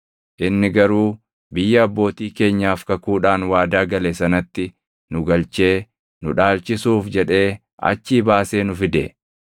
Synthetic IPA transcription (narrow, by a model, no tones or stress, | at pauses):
ʔɪnːɪɡɐɾuː | bɪjːɐɐbːo̞ːt̪iːke̞ːɲːaːfkɐkuːᶑaːnwaːd̪aːɡɐlesɐnɐt̪ːɪ | nʊɡɐlt͡ʃe̞ː | nʊ̰ᶑaːlt͡ʃɪsuːfd͡ʒɛᶑe̞ː | ɐ̰t͡ʃːiːbaːse̞ːnʊfɪd̪e